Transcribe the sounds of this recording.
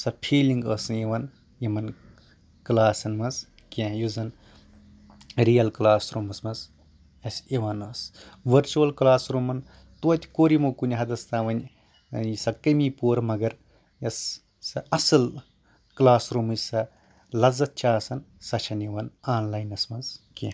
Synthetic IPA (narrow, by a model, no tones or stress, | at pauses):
sɐpʰiːliŋɡəːsɨniʋɐn | jimɐn | klaːsɐnmɐs | kʲẽjuzɐn | ɾijɐlklaːsɾuːmɐsmɐs | ɐsiʋɐnɐsʋɐɾt͡ʃuɐlklaːsɾuːmɐn | t̪uɐt̪ʲkoːɾimokunʲɦɐd̪ɐst̪aːʋɐnʲ | isɐkɐmiːpuːɾmɐɡɐɾ | jɐsː | ɐʔɐsɨl | klaːsɾuːmɨsɐ | lɐzɐt̪̚t͡ʃʰaːsɐnsɐt͡ʃʰɐniʋɐnaːnlaːjnɐsmɐnzkʲẽ